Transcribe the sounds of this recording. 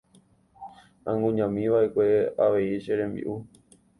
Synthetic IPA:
ã̰ŋɡũɲãmĩʋaʔe̞kʷe̞aʋe̞iʃeɾẽ̞mbḭʔu

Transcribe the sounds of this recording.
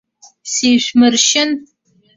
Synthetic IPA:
seːɕʷmɨrʃɪn

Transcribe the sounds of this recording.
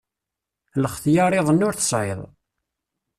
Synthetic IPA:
ləχθjɑɾˤeðˤənːʊɾθə̥sʕɪ̰ðˤ

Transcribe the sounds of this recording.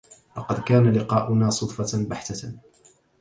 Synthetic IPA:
lɑqɑd̪kaːnalɪqɑːʔʊnaːsˤʊd̪ˤfɑbaħt̪a

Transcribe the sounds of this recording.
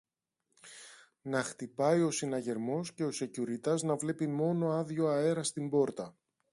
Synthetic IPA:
nɐxt̪ipɐio̞sinɐʝe̞ɾmo̞sce̞o̞se̞cuɾit̪ɐznɐvle̞pimo̞no̞ɐðʝo̞ɐe̞ɾɐst̪imbo̞ɾt̪ɐ

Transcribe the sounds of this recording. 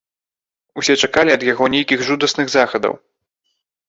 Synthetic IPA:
usʲɛt͡ʂakalʲiɐd̪jaɣɔnʲejkʲiɣʐud̪ɐsnɨɣzaxɐd̪ɐ̰w

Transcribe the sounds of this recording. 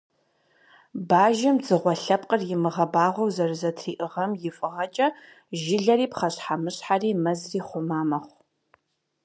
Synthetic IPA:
baːʒɪmzɨʁʷɔɬɐp̚ʼqʼərjɪmɨʁɐbaːʁʷɔwzɐrɨzɐtʰriːʔɨʁɐmjɪfʼɨʁɐt͡ʃʼɐ | ʒɪɮɐɾiːpχɐɕħamɨɕħariːmɐzriːχʷʊmaːmɐχʷ

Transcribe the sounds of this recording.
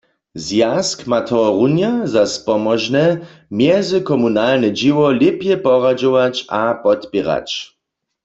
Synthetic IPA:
zjaskmat̪ʰɔʁunjazaspɔmɔʒnɛ | mjɛzɪkɔmunalnɛd͡ʒiwɔlɪpjɛpɔʁad͡ʒɔwat͡ʃapɔt̪pɛʁa̰t͡ʃ

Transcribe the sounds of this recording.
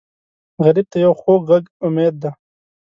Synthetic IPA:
ɣɐɾib̚t̪ajɐwxoːɣɐɡʊmeːd̪̚ːa

